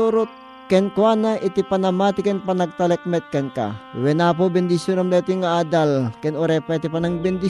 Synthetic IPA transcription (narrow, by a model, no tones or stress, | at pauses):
oɾot̪̚ | kɛnkwanaʔit̪ipɐnɐmaːt̪ɪkɛnpɐnɐɡ̚t̪ɐlɛk̚mɛt̪̚kɛnka̰wɛnap̬obɛnd̪isjonɐmlɛːt̪iŋaaːd̪alkɛnoɾɛpait̪ipɐnaŋbɛnd̪i